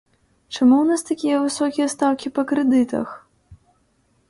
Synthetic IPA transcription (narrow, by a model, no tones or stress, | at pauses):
t͡ʂamuwnast̪akʲijɐvɨsɔkʲijɐst̪awkʲipɐkɾɛd̪ɨt̪ɐ̰x